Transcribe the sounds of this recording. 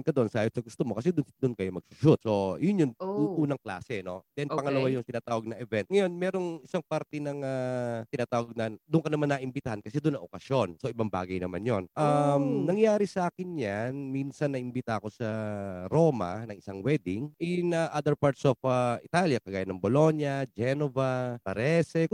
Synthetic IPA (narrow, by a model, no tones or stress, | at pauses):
nkɐd̪oʔonsaːjot̪sɐɡʊst̪omo̞kɐs̬ɛd̪ʊnd̪ʊnkɐjomɐɡ̥̚sʊʃut̪̚so̞jʊnjʊŋʔuːnɐŋkla̰ːsɛno̞̰d̪ɛnpɐŋɐlɐwajʊŋt̪ɪnaːt̪aːwɐɡ̚nɐʔɛvɛnt̪̚ŋɐjo̞nmɛːɾoŋɪsaŋpaɾt̪ɛnɐŋat̪ɪnaːt̪aːwɡ̚nɐd̪ʊŋkɐnɐmanːɐʔɪmbɪt̪ahankɐsɛd̪ʊnːɐŋʔokɐsjo̞nso̞ʔɪbaŋba̰ːɡɐjnɐma̰njonʔamnɐŋjaːɾisɐʔaːkɪnjanminsɐnːɐʔɪmbɪt̪aʔɐko̞sɐɾo̞ːmɐ̰nɐŋɪsaŋwɛd̪ɪŋʔɪnɐʔad̪ɛɹpaɹt̪sofaʔɪt̪aljɐkɐɡaːjɐnɐŋbolo̞ɲjɐd͡ʒɛnovapɐɾɛsɛ